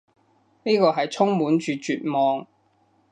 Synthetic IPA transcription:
niː˥kɔː˧ɦɐ˨jt͡sʰʊ˥ŋmuː˨˥nt͡ʃyː˨t͡ʃyː˨t̚mɔː˨ŋ

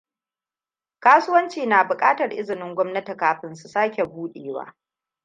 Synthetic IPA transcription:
kaː˦su˦wɐ˦nt͡ʃiː˨naː˨bʊ˨kʼaː˦tɐ˨rʔɪ˦zɪ˨nɪ˦ŋɡʷɔ˦mnɐ˦ti˨kaː˨ɸɪ˦nsu˨saː˦kʲe˨buː˦ɗeː˨wa̰ː˦

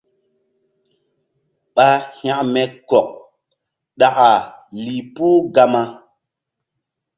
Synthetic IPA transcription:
ɓa˦hã˦ʔmɛ˦kɔ˨k̚ | ɗa˨ʔa˨li˨puː˦ɡa˦ma˧

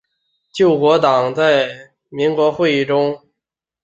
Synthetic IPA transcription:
t͡ɕjo˥˩ʊkwɔ˧˥t̪ɑ˨˩ŋt͡sa˥˩ɪ | mi˧˥ŋkwɔ˧˥xwe˥˧ɪi˥˩ʈ͡ʂʊ˥ŋ

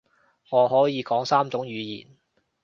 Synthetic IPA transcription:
ŋɔː˨˧ɦɔː˨˥jiː˨˧kɔː˨˥ŋsaː˥mt͡sʊ˨˥ŋjyː˨˧jḭː˨˩n

